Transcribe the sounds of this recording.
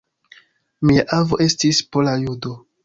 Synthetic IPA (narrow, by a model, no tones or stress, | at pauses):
miaʔavoʔe̞stispolajudo